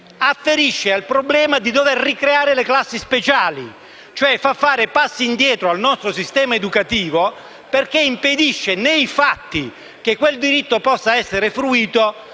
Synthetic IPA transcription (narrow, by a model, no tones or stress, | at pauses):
afːeɾiʃːealpɾoblɛːmad̪id̪overrikɾeaːɾeleklasːispet͡ʃaːli | t͡ʃoɛfafːaːɾepasːiːnd̪jɛːt̪ɾoalnɔst̪ɾosist̪ɛːmaed̪ukat̪iːvo | perk̟eimped̪iʃːenejfat̪ːi | k̟ekːweld̪iɾit̪ːopɔsːaɛsːeɾefɾuiːt̪o